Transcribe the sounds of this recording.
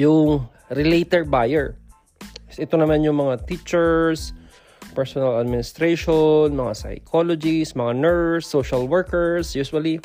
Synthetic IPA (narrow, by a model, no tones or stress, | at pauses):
jʊŋ | ɾɪlejt̪ɛɹ̚bajɛɹ | ʔɛt̪o̞nɐmanjʊŋmɐŋat̪it͡ʃɛɹs | pɛɹsonɐlɐd̪̚mɪnɪst̪ɾejʃonmɐŋa̰sɐ̰jkʰolod͡ʒismɐŋanɛɹsːoʃɐlwɛɹkɛɹsjuswɐli